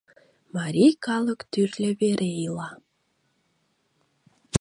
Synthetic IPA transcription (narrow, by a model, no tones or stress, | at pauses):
mɑɾʲijkɑləkt̪yrlʲeβeɾʔeilɑ